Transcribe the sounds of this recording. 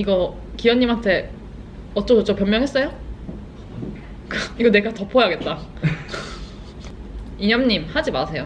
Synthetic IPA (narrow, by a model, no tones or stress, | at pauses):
iɡʌ | kiwʌnːimɦantʰe̞ | ʌt̚t͡ɕ͈ʌdot͡ɕopjʌmjʌŋɦe̞s͈ʌjo | kɯiɡʌne̞ɡatʌpʰojaɡet̚t͈a | iɲʌmɲimhad͡ʑimasʰe̞jo